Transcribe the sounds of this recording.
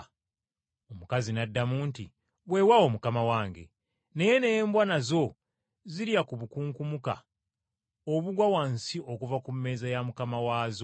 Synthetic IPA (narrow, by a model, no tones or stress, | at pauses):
omukazinadːamuːnti | βwe̞wawo̞mukamawaːŋɡe̞̰ | ne̞je̞ne̞jeːmbwanazo̞ | ziɾjakuβukuːŋkumuka̰ | oβuɡwawansiʔo̞kuvakumːe̞ːzajamukamawaːzo